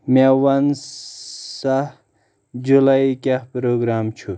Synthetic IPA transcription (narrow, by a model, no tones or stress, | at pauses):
mawɐn | sah | d͡ʑulaikʲahpɾoɡɾaːmt͡ʃʰu